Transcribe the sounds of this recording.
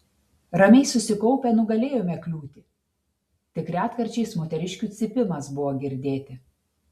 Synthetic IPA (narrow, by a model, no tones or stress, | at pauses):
ɾɐmʲɛɪsʊsʲɪkɔʊpʲɛnʊɡɐlʲeːjoːmʲɛklʲuːt̪ʲɪ | t̪ʲɪkɾʲæːt̪kɐɾʲt͡ʃʲɛɪsmoːt̪ʲɛɾʲɪʃʲkʲuːt̪sʲɪpʲɪmɐsbʊʋoːɡʲɪɾʲd̪ʲeːt̪ʲɪ